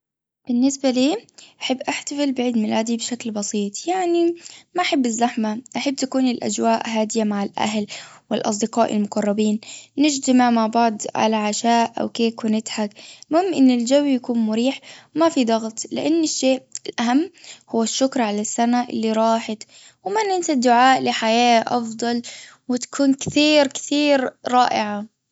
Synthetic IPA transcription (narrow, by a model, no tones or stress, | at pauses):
b̥ɪnːɪsbaliːʔaħabːʔaħt̪afɪlbɪʕiːd̪mɪlaːd̪ibʃaklbɑsˤiːt̪ˤjaʕnimaʔaħabːɪzːaħmaʔaħabːt̪akuːnɪlʔa̰d͡ʒwaːʔɦaːd̪ɪjamaʕalʔa̰ɦlwɪlʔɑ̰s̬ˤd̪ɪqɑːʔɪ̰lmʊqɑrˤːɑbiːnnɪd͡ʒt̪amaʕmaʕbɑʕd̪ˤʕa̰laʕaʃaːʔʔa̰wkeːkwɪnɪt̪ħakmʊhɪmʔɪnːɪld͡ʒawjakuːnmʊɾiːħmafid̪ˤɑɣt̪ˤlɪ̰ʔanːɪʃːeːʔɪlʔaɦamːhʊwːaʃːʊkɾˤʕalasːanaʔɪ̰lːiɾˤɑːħat̪ | wɪmanʔɪnt̪ad̪ːʊʕaːʔlɪħajaːʔɑ̰fd̪ˤɑl | wɪt̪ḁkʰuːnkθiːɾkɪ̥t̪iːɾɾˤɑːʔɪʕa